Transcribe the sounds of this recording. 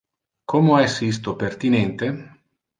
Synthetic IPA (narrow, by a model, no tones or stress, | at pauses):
kʰomoɛsist̪opert̪inɛnt̪e